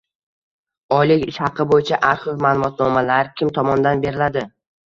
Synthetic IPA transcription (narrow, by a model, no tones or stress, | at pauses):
ɒjlɪkʲɪʃhɑqʰːɨbojɪt͡ʃʰaʔaɾχʊfmaːlˠʊmɒt̪nɒmalaɾkʲʰɪmt̪ʰɒmɒnd̪anbe̞ɾɪlad̪ɪ